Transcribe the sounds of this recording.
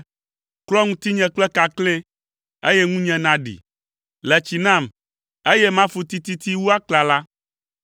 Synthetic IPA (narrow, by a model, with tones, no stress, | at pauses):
klɔ˦ŋũ˦t̪i˦ɲɛ̃˨k͡plɛ˦ka˨klɛ̃˦ | e˦jɛ˦ŋũ˦ɲɛ̃˨nã˨ɖḭ˨ | lɛ˨t͡ɕi˨nã˦˨m | e˦jɛ˦mã˦fu˨t̪i˦t̪i˦t̪i˦wu˦a˦kla˨la˦